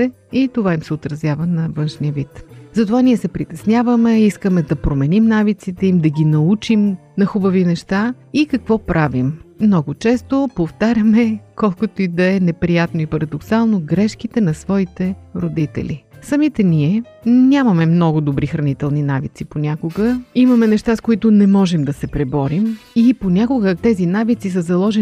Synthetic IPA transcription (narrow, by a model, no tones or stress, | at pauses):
ɛ | it̪ovaimsɛot̪ɾɐzʲjavənɐvɤnʃnijəvit̪zɐt̪ovaniɛsɛpɾit̪ɛsnʲjavəmɛiskəmɛd̪ɐpɾomɛnimnavit̪sit̪ɛimd̪ɐɡʲinɐut͡ʃimnɐxubɐvinɛʃt̪a | ikɐkvɔpɾʔavimːnɔɡʊt͡ʃɛst̪opoft̪aɾʲəmɛkɔlˠkot̪oid̪ɐɛnɛpɾijat̪noipɐɾɐd̪oksalˠnoɡɾɛʃkit̪ɛnɐsvɔit̪ɛɾod̪it̪ɛ̰lʲḭsɐmit̪ɛniɛ | nʲamɐmɛmnɔɡʊd̪obɾixɾɐnit̪ɛlˠninavḭt̪siponʲakʊɡəimɐmɛnɛʃt̪askoit̪ʊnɛmɔʒɛmd̪ɐsɛpɾɛbɔɾimiponʲakʊɡət̪ɛzinavit̪sisəzɐlˠɔʒɛn